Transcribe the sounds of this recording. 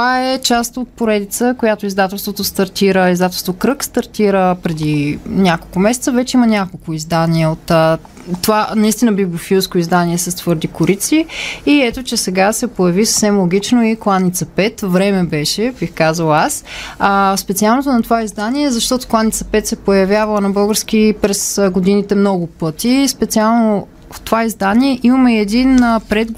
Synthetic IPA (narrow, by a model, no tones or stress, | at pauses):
t̪vaɛt͡ʃast̪ot̪̚poɾɛd̪it̪səkojat̪oizd̪at̪ɛlˠst̪vot̪ost̪ɐɾt̪iɾəizd̪at̪ɛlˠst̪vokɾɤkst̪ɐɾt̪iɾəpɾɛd̪inʲakolˠkʊmɛsɛt̪səvɛt͡ʃɛimənʲakolˠkʊizd̪aniɛot̪ə | t̪ovanɐist̪inəbibʲofiuskʊizd̪aniɛsəst̪vɤɾd̪ikʊɾit̪siiɛt̪ot͡ʃɛsɛɡasɛpojɐvisə̥fsɛmlˠoɡ̟ʲit͡ʃnoiklˠanit̪sɐpɛt̪vɾɛmɛbɛʃɛbixkazəlˠasaspɛt̪sialˠnot̪onɐt̪ovaizd̪aniɛzɐʃt̪ɔt̪o̥klˠanit̪sɐpɛt̪sɛpojɐvʲjavɐlˠənɐbɤlˠɡəɾsk̟ipɾɛsɡod̪init̪ɛmnɔɡʊpɤt̪ispɛt̪sialˠno | ft̪ovaizd̪aniɛʔimɐmɛɛd̪inpɾɛd̪ɡ